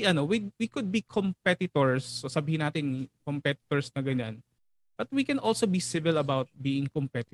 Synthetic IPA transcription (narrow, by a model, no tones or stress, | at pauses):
ʔɐnowiwikʊd̪̚bikʰɔmpɛt̪ɪt̪ɔɹsːosɐbiːhɪnːaːt̪ɪnkɔmpɛt̪ɪ̥t̪ɔɹsnɐɡɐɲan | b̥ɐt̪̚wikɛnʔolsobisɪvɪlɐbawt̪̚biːɪ̃ŋkɔmpɛt̪ɪ